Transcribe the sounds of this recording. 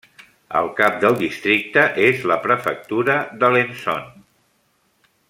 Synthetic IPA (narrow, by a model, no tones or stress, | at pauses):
ə̰lˠkap̚d̪əlˠd̪ist̪ɾik̚t̪əʔezləpɾəfə̰k̚t̪uɾəðəlenso̰n